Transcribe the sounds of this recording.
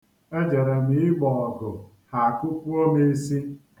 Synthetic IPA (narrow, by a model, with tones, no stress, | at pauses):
e˦d͡ʒe˨ɾe˨mi˦ɪ˦ɡ͡bɔ˨ɔ˨ɡʊ˨ | ha˨a˨ku˦pu˦o˦me˦si˦